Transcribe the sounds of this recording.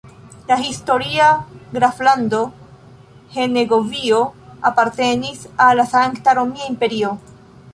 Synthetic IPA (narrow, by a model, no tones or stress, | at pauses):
lahisto̞ɾiaɡɾaflando̞ | he̞neɡo̞vio̞apaɾtenisalːasaŋktaɾo̞miaimpe̞ɾio̞